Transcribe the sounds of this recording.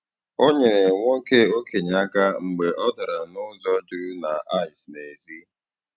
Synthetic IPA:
o˦ɲe˨ɾe˨ŋʷo˦ke˦o˦ke˨ɲa˦ka˦ŋ͡m̩˨ɡ͡be˨ʔɔ˦da˨ɾa˨nʊ˦zɔ˦d͡ʒʊ˨ɾu˦na˨a˦ɪ˨sne˨zi˦

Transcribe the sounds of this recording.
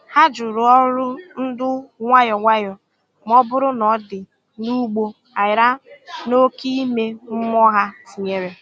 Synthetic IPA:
ha˦d͡ʒʊ˨ɾʊ˨ɔ˦ɾʊ˦n̩˦dʊ˦ŋʷa˦jɔ˨ŋʷa˦jɔ˨ | m˦ɔ˦bʊ˦ɾʊ˦nɔ˨˦dɪ˨ | nu˦ɡ͡bo˦ | a˨jɪ˨ɾa˦no˦ki˦i˦me˦m̩˦m˦ɔ˦ɦa˦si˨ɲe˦ɾe˨

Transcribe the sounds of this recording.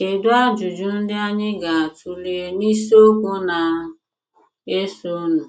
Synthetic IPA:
e˨dʊ˦a˦d͡ʒu˨d͡ʒu˨˦n̩˦dɪ˦a˦ɲɪ˦ɡa˨a˨tʰu˦li˦e˦ni˦so˦ko˦na˨ | e˦so˦nʊ̃˨

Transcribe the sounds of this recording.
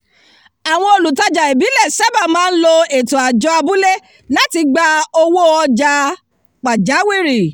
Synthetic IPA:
a˨w̃ɔ̃˧o˧lu˨ta˧d͡ʒa˨e˨bi˨˦lɛ˦˨sa˦ba˦˨mãː˦n̩˦lo˧e˨to˨a˨d͡ʒɔ˧˦a˧bu˨˦le˦ | la˦ti˧ɡ͡ba˧o˧wo˦ɔ˧d͡ʒa˧ | k͡pa˨d͡ʒa˨˦wi˦˨ɾi˨

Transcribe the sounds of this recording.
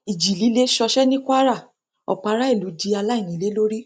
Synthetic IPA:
i˨d͡ʒi˨li˨˦le˦ʃɔ˧ʃɛ˦nĩ˦kʷa˦ɾa˦˨ | ɔ̰˨k͡pa˨˧˦ɾa˦i˦˨lu˨˦di˧a˧la˦i˦˨j̃ĩ˨˦le˦lo˦ɾi˦

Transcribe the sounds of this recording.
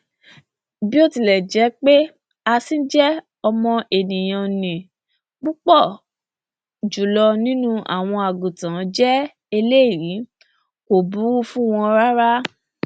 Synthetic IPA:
bi˦o˦˨ti˨lɛ˨d͡ʒɛ˨˦k͡pe˦ | a˧sĩ˦d͡ʒɛ˦ | ɔ˧mɔ̃˧ʔe˨nĩ˨j̃ã˨˧nĩ˨ | k͡pu˦k͡pɔ˦˨ | d͡ʒu˨lɔ˧nĩ˦nũ˦a̰˦˨w̃ɔ̃˧a˨ɡu˨tã˨˦d͡ʒɛ˦ | e˧le˦i˦˨ɾi˨˦ | ko˨bu˨˦u˦fũ˦w̃ɔ̃˧ɾa˦ɾa˦

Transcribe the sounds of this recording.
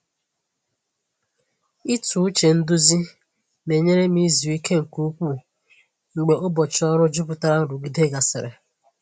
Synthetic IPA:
i˦tu˨u˦t͡ʃe˨n̩˦dʊ˦zi˦ | ne˨ɲe˦ɾe˦m˦i˦zu˨i˦ke˦ŋ̩˨ku˦kʷu˦˨ | ŋ͡m̩˨ɡ͡be˨ʔo˦bɔ˨t͡ʃɔ˦ɾʊ˦d͡ʒʊ˦pʊ˨ta˦ɾa˦n̩˨ɾu˨ɡi˦de˦ɡa˨sɪ˨ɾḛ˨

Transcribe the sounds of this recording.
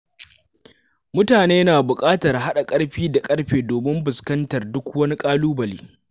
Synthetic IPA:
mʊ˦taː˨neː˦naː˨bʊ˨kʼaː˦tɐ˨rɦa˦ɗa˨kʼɐ˦ɽɸiː˦da˨kʼɐ˦ɽɸeː˨doː˨mɪ˦mbʊ˨skɐ˦ntɐ˨rdʊ˦kwɐ˦ni˦kʼaː˦luː˦bɐ˨lḭː˦

